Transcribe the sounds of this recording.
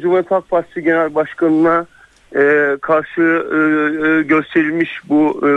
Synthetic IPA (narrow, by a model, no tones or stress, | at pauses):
d͡ʒumat̪ʰak̚fast̪ʰɯɟe̞nælʲbaʃkanɯna | ɛːkʰaɾʃɯ | ɟø̞st̪ʰe̞ɾilʲmiʃbu